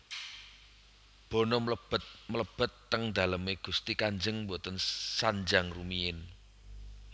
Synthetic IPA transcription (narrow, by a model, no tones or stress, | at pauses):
b̥o̤nɔmləb̥ət̪̚mələb̥ə̤t̪ːəŋd̪̥a̤ləmeɡ̥ṳst̪ikaɲd͡ʒəŋmbot̪ənsaɲd͡ʒaŋrumiɪn